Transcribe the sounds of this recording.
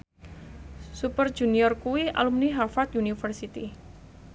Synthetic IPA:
supər̥d͡ʒ̥uniɔrkuwia̰lumniɦafat̪̚junifərsit̪i

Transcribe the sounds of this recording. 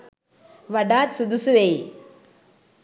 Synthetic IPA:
ʋɐɖaːt̪sud̪usuʋej

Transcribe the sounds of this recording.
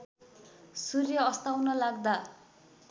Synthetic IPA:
surjʌːst̪awnʌlaɡ̚d̪a

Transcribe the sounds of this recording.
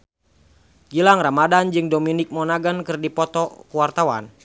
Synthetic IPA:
d͡ʒilaŋramadand͡ʒɨŋdominɪk̚mɔnaɡənkɨrdipɔt̪ɔkuwart̪awan

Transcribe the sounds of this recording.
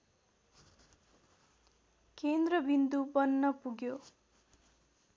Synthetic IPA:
kend̪rʌbind̪ubʌnːʌpuɡjo

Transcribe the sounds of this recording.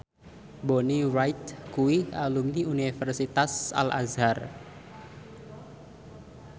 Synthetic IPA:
boniɾajt̪̚kuwialumniunifərsit̪asa̰lʔa̰zar

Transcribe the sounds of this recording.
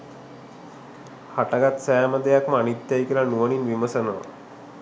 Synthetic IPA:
haʈaɡat̪sajaməd̪ʱːejakmanit̪jajkelanuʋəniːnʋiməsənə

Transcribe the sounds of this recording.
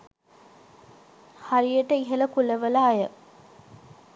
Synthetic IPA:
haɾijəʈːəiɦɐlɐkulɐʋəlaːjə

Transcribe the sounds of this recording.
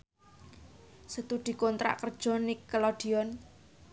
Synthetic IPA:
sət̪uɖ̪̥i̤kont̪ɾa̰ʔkərd̥ʒ̥ɔ̤nikːəlɔɖ̥i̤ɔn

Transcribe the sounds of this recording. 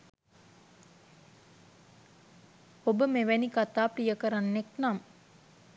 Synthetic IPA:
obəmeʋænikat̪aːprijəkəɾanːeknam

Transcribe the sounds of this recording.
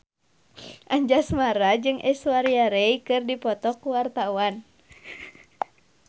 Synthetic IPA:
ʔaɲd͡ʒasmaɾad͡ʒɨŋʔɛsuwaɾiaɾɛikɨrdipɔt̪ɔkuwart̪awan

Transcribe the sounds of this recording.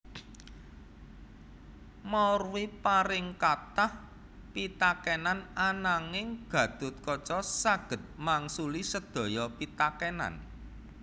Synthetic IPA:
marwipaɾɪŋkat̪ah | pit̪akɛnananaŋɪŋɡ̥ä̤d̪̥ʊ̤t̪̚kɔt͡ʃɔsaɡ̥ə̤t̪̚maŋsulisəd̪̥ɔ̤jɔpit̪akɛna̰n

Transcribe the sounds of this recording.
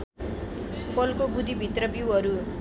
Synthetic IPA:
pʰʌlkobud̪ʱibʱit̪rʌbiwʌɾu

